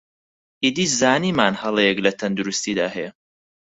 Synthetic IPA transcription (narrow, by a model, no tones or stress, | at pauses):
id̪iːzaːniːmaːnhɐlˠɛjɛklɐt̪ʰɐnd̪uɾust̪id̪a̰ːhɛjɛ